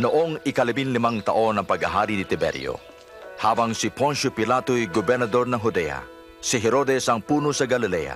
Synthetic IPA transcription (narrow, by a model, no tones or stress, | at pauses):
noʔo̞ŋɪkɐlɪbinlɪmɐŋt̪ɐʔo̞nɐŋpɐɡɐɦaːɾinɪt̪ɪbɛ̰ɾjo̰ | haːbɐŋsɪponsopɪlat̪ojɡobɛɾnɐd̪o̞ɾnɐŋɦʊd̪ɛ̰jɐ̰ | sɪɦɛɾo̞d̪ɛsɐŋpuːnosɐɡɐlɪlɛ̰ja̰